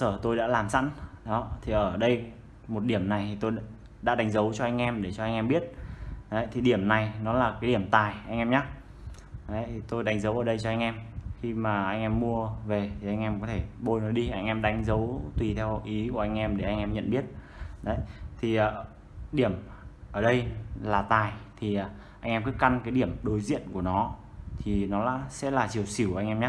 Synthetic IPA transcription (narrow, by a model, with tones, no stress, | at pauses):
səː˧˩t̪o˧jɗa̰ː˧˥laː˨˩msa̰˧˥nɗɔ˨˦t̪ʰi˨˩ʔəː˧˩ɗə˧j | mo˨˩t̚ɗi˧˩əmna˨˩jt̪ʰi˨˩t̪o˧j | ɗa̰ː˧˥ɗa˨˦jŋ̟zə˨˦wt͡ɕɔ˧ʔa˧jŋ̟ʔɛ˧mɗe˧˩t͡ɕɔ˧ʔa˧ŋ̟ʔɛ˧mɓi˦˥ət̚ɗə˨˦jt̪ʰi˨˩ɗi˧˩əmna˨˩jnɔ˨˦laː˨˩kaː˨˦ɗi˧˩əmt̪aː˨˩jʔa˧jŋ̟ʔɛ˧mɲa˦˥ | ɗə˨˦jtʰt̪o˧jɗa˨˦jŋ̟zə˨˦wʔəː˧˩ɗə˧jt͡ɕɔ˧ʔa˧jŋʔɛ˧mxi˧maː˨˩ʔa˧jŋ̟ʔɛ˧mːu˧əve˨˩t̪ʰi˨˩ʔa˧ŋʔɛ˧mkɔ˨˦t̪ʰe˧˩ɓo˧jnɔ˨˦jɗi˧ʔa˧jŋ̟ʔɛ˧mɗa˨˦jŋ̟zə˨˦wt̪wi˨˩t̪ʰɛ˧wʔi˨˦ku˧˩əʔa˧jŋ̟ʔɛ˧mɗe˧˩ʔa˧jŋ̟ʔɛ˧mɲə̰˧˨nɓi˦˥ət̚ | ɗə˨˦jt̪ʰi˨˩ʔəː˨˩ | ɗi˧˩əmʔəː˧˩ɗə˧jlaː˨˩t̪aː˨˩jt̪ʰi˨˩ʔa˨˩ | ʔa˧ŋʔɛ˧mkːka˧nkaː˨˦jɗi˧˩əmɗo˨˦jzḭ˧˨ənku˧˩ənɔ˨˦t̪ʰi˨˩nɔ˨˦la̰ː˧˥sɛ̰˧˥laː˨˩t͡ɕi˨˩əwsi˧˩wʔa˧ŋ̟ʔɛ˧mɲa˦˥